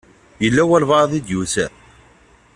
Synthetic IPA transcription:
jəlːæwælvɑðˤid̪jusæ

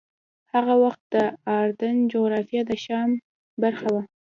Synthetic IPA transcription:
haɣawaxt̪̚d̪̥əɑɾd̪ənd͡ʒoɣɾɑfjɑd̪əʃɑm | baɾxawa

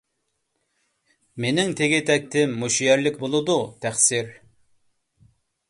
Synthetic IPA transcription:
menɪŋt̪ʰeɡʲɪt̪ʰɛk̚ʲt̪ʰɪmːuʃjɛɾlɪkʲbolˠɨd̪ut̪ʰæχsɪɾ

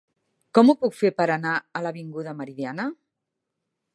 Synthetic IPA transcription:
kɔmupukfeɾpəɾanaələβiŋɡuðəməɾiðianə

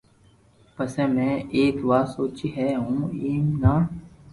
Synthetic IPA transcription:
pəsɛ̃ːmɛ̃ːʔeːkʋaːsoːt͡ʃiːɦɛːɦũːiːmnaː

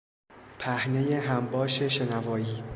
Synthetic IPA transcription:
pʰæhne̞jeɦæmbɒːʃeʃe̞nævɒːjiː

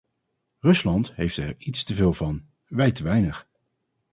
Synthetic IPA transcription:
rɵslɑntɦejftɛ̰ɹitstəvɪːlˠvɑn | ʋɛjtəʋɛjnəχ

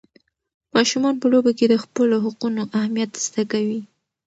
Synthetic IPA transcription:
mɑʃumɑnpəlobaked̪əxpəloɦʊqunoʔahmijat̪z̥d̪akawi

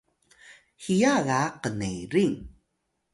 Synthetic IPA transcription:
hijaɣaqənejɾiŋ

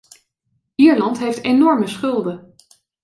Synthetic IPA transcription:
iːɹlɑntɦejftenɔɹməsχɵlˠdə

